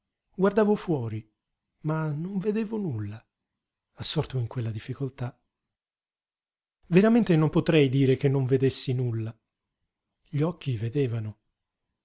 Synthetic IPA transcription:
ɡward̪aːvofwɔːɾi | manoɱved̪eːvonulːaː | sːɔrt̪oiŋkwelːad̪ifːikolt̪a | veɾament̪enompot̪ɾɛjd̪iːɾek̟enːoɱved̪esːinulːa | ʎɔkːived̪eːvano

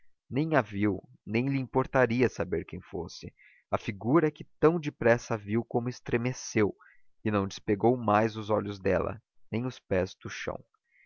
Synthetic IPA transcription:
nẽj̃aviw | nẽj̃liĩpoɾt̪aɾiɐsabeɾkẽj̃fo̰sɪ | ɐfiɡuɾɐɛkɪt̪ɐ̃w̃d͡ʒɪpɾɛsɐviwkõmʊɪst̪ɾemesew | ɪnɐ̃w̃d͡ʒɪspeɡowmajzʊzɔʎʊzd̪ɛlɐ̰ | nẽj̃ʊspɛzd̪ʊʃɐ̰̃w̃

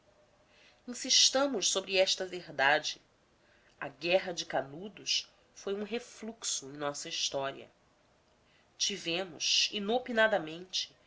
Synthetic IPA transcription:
ĩsiʃt̪ɐ̃mʊʃsobɾɪɛʃt̪ɐveɦd̪ad͡ʒɪ | ɐɡɛɦɐd͡ʒɪkanud̪ʊs | fojũɦefluksuẽj̃nɔsɐiʃt̪ɔɾḭɐ̰ | t͡ʃivẽmʊ̰ʃinopinad̪ɐmẽnt͡ʃɪ̥

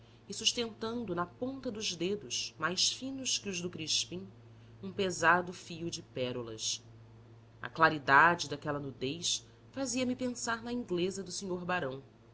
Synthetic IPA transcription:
ɪsuʃt̪ẽnt̪ɐ̃nd̪ʊnɐpõnt̪ɐd̪ʊʒd̪ed̪ʊsmajsfĩnʊʃkɪʊʒd̪ʊkɾiʃpĩ | ũpezad̪ʊfijʊd͡ʒɪpɛɾulɐ̰s | ɐ̰klaɾid̪ad͡ʒɪd̪akɛlɐnud̪ejs | faziɐmipẽsaɾnɐĩŋɡlezɐd̪ʊsiɲoɾbaɾɐ̃w̃

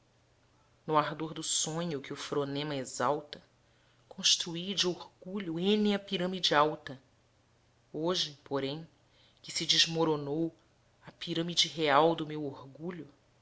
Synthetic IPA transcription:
nʊaɦd̪oɾd̪ʊsõɲʊkɪʊfɾonẽmɐezawt̪ɐ | kʰõʃt̪ɾuid͡ʒɪoɾɡuʎʊẽnĩɐpiɾɐ̃mid͡ʒɪawt̪ɐ | oʒɪpoɾẽj̃ | kɪsɪd͡ʒɪʒmoɾonow | ɐpiɾɐ̃mid͡ʒɪɦeawd̪ʊmewoɾɡuʎʊ

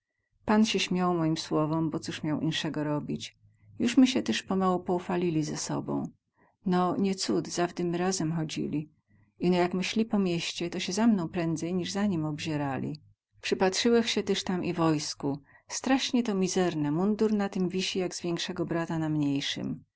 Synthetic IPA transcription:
panɕɛɕmʲjawmɔjimswɔvɔmbɔt̪suʂmʲjawʔḭnʂɛɡɔɾɔbʲit͡ɕ | juʂmɘɕɛt̪ɛʂpɔmawupɔufalʲilʲizɛsɔ̰bɔ̰̃w̃ | nɔɲɛt̪sud̪zavd̪ɘmɘɾazɛmxɔd͡ʑḭlʲi | inɔjakmɘɕlʲipɔmʲjeɕt͡ɕɛt̪ɔɕɛzamnɔ̃w̃pɾɛnd̪zɛjɲiʐzaɲimɔbʑɛɾalʲḭ | pʂɘpatʂɘwɛxɕɛt̪ɛʂt̪amʔivɔjsku | st̪ɾaʂɲɛt̪ɔmʲizɛɾnɛmund̪uɾnat̪ɘmvʲiɕijaɡz̥vʲjɛŋkʂɛɡɔbɾat̪anamɲejʂɨ̰m

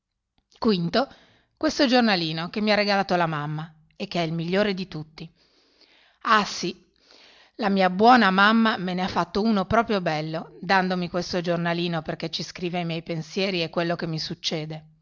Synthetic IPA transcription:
kwint̪o | kwest̪od͡ʒornaliːnokemːiarːeɡalaːt̪olamamːa | ek̟ːeɛilmiʎːoːɾed̪it̪ut̪ːi | asi | lamiːabwɔːnamamːameneafːat̪ːouːnopɾɔːpɾjobɛlːod̪and̪omikwest̪od͡ʒornaliːnoperket͡ʃːiskɾiːveajmjɛjpensjɛːɾiekːwelːokemːisut͡ʃːeːd̪e

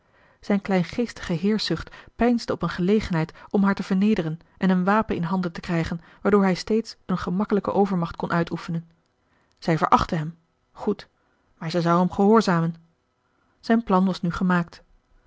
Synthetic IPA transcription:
z̥ɛjnklɛjnχejstə̥χəɦɪːɹsʏχtpɛjnzdəɔpənχəlejχənɦɛjtɔmɦaːɹtəv̥əɹnejdərən | ʔɛnənʋaːpənɪnɦɑndəntə̥krɛjχən | ʋaːɹdʊːɹɦɛjstejtsənχəmɑkələkə̰ʔowvəɹmɑχt̚kɔnʔœɥtʰufənən | z̥ɛjvə̰ɹʔɑ̰χtəɦɛm | χut | maːɹzɛjzɑwɦɛmχəɦʊːɹzaːmən | z̥ɛjnplɑnʋɑsnyχəmaːk̚t

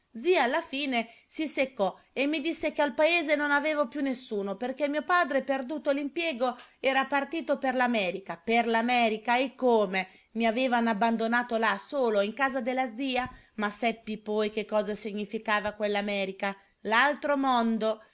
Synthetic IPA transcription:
d̪ziaːlːafiːnesisekːɔ | emːid̪isːekealpaeːzenonaveːvopjunːesːuːnoperkemːiːopaːd̪ɾeperd̪uːt̪olimpjɛːɡoɛːɾapart̪iːt̪operlamɛːɾikaperlamɛːɾikaekːoːme | miaveːvanabːand̪onaːt̪olasoːloiŋkaːzad̪elːad̪ziːa | masɛpːipɔjk̟ekːɔːzasiɲːifikaːvakwelːamɛːɾika | lalt̪ɾomond̪o

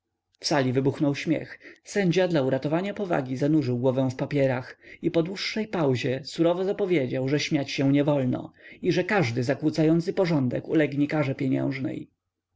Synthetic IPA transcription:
fsalʲivɘbuxnɔwɕmʲjɛ̰xsɛɲd͡ʑad̪lauɾat̪ɔvaɲapɔva̰ɡʲizanuʐɘwɡwɔvɛ̃w̃fpapʲjɛɾaxipɔd̪wuʂːɛjpawʑɛsuɾɔvɔzapɔvʲjed͡ʑawʐɛɕmʲjat͡ɕɕɛw̃ɲɛvɔlnɔ̰iʐɛkaʐd̪ɘzakwut̪sajɔnt̪sɘpɔʐɔnd̪ɛ̰kṵlɛɡɲikaʐɛpʲjɛɲɛ̰̃w̃ʐnɛ̰j

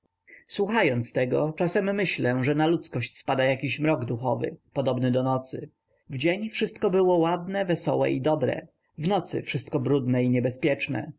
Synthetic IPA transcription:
swuxajɔnt̪st̪ɛɡɔt͡ʂasɛmːɘɕlɛʐɛnalut̪skɔɕt͡ɕspad̪ajakʲiɕmɾɔɡd̪uxɔvɘ̰pɔd̪ɔbnɘd̪ɔnɔt̪sɘ̰ | vd͡ʑeɲfʂɘst̪̚kɔbɘwɔwad̪nɛvɛsɔ̰wɛ̰ʔid̪ɔbɾɛ̰ | vnɔt̪sɘ̰fʂɘst̪̚kɔbɾud̪nɛiɲɛbɛspʲjɛt͡ʂnɛ̰

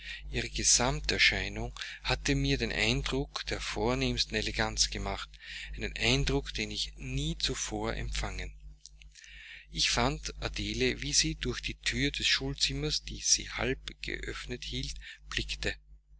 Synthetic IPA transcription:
ʔiːʁ̞əɡ̥əzamtɛɐʃæɪnʊŋhatəmiːɐdeːnʔa̰ɪndʁʊkd̥eːɐfoːɐneːmstn̩eleɡant͡sɡ̥əmaχtʔɛɪnənʔaɪndʁʊkd̥eːnɪçniːt͡sufoːɐʔɛ̰mpfaŋən | ʔɪçfandʔadeːleviːziːd̥ʊɐxd̥iːtʰyːɐdɛsʃuːlt͡sɪmɐsd̥iːz̥ḭːha̰lpɡ̥ə̰ʔœ̰fnəthiːltb̥lɪktə

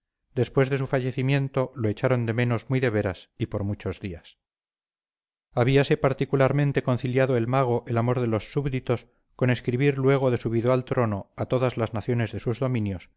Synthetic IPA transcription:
d̪e̞spwe̞zðe̞s̬ufaʝe̞θimje̞nt̪o̞loet͡ʃaɾo̞nd̪e̞me̞no̞zmwiðe̞βe̞ɾasipo̞ɾmut͡ʃo̞zðias | aβ̞iase̞paɾt̪ikulaɾmẽ̞nt̪e̞ko̞nθiljaðoe̞lmaɣ̞o̞ʔe̞lamo̞ɾðelosːuβðit̪o̞s | ko̞ne̞skɾiβiɾlwe̞ɣ̞o̞ðe̞suβiðoalt̪ɾo̞no̞at̪o̞ðazlaznaθjo̞ne̞zðe̞suzðo̞mĩnjo̞s

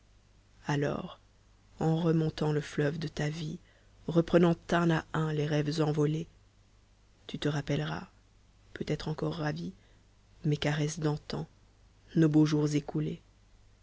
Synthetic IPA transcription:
alɔ̰ːʁ | ɑ̃ʁəmɔ̃t̪ɑ̃ləflœvd̪ət̪avi | ʁəpχənɑ̃t̪ɛ̃naʔɛ̃leʁɛvzɑ̃vɔle | t̪yt̪əʁapɛlʁa̰ | pøt̪ɛt̪χɑ̃kɔʁːavi | mɛkaʁɛsd̪ɑ̃t̪ɑ̃ | noboʒuʁzekule

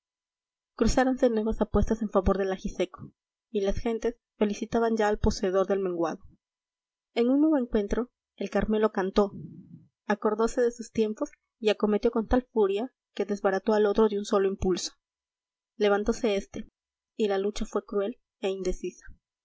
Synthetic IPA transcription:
kɾusaɾo̞nse̞nwe̞βasapwe̞st̪ase̞ɱfaβo̞ɾðe̞laxise̞ko̥ | ilasxe̞nt̪e̞s | fe̞lisit̪aβanɲd͡ʒaːlpo̞se̞ːð̞o̞ɾðe̞lmẽ̞ŋɡwa̰ðo̞ | e̞nunnːweβoeŋkwe̞nt̪ɾo̞ | e̞lkaɾme̞lo̞kant̪o̞ | ako̞ɾðo̞se̞ðe̞sust̪je̞mpo̞s | iako̞me̞t̪jo̞kont̪alfuɾja | ke̞ðe̞zβaɾat̪o̞alo̞t̪ɾo̞ðeunso̞lo̞impulso̥ | le̞βant̪o̞se̞est̪e̞ | ilalut͡ʃafwe̞kɾue̞l | e̞ind̪e̞sisḁ

